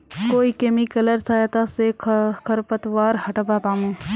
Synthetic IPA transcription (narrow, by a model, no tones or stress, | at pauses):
koːiːkeːmikələɾsaːjat̪aːsekʰəɾpət̪ʋaːɾhɐʈbaːpaːmũː